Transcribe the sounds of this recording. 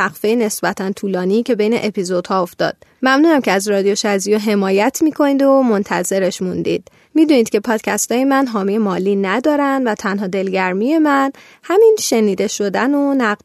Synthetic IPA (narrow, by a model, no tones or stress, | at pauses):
æɣfejene̞sbæt̪ʰænt̪ʰuːlɒːniːcʰe̞bejneʔepʰizo̞d̪̥hɒːofd̪ɒ̰ːd̪̥̚mæmnuːnæmcʰeæzɾɒːd̪ijoʃæzijoɦe̞mɒːjæt̪ʰmiːkʰo̞niːd̪omo̞nt̪ʰæze̞ɾe̞ʃmund̪ḭːd̪̥̚ | miːd̪uːniːd̪̥cʰʲe̞pʰɒːd̪̥cʲʰæst̪ɒːjemænɦɒːmije̞mɒːliːnæd̪ɒːɾænd̪væt̪ʰænɦɒːd̪e̞lɟæɾmije̞mæn | hæminʃe̞niːd̪e̞ʃo̞d̪ænonæ